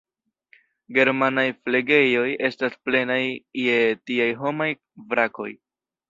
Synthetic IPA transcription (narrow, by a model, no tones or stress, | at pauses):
ɡe̞ɾmanajfleɡe̞jo̞je̞stasple̞najːe̞tiajɦo̞maj | vɾako̞̰j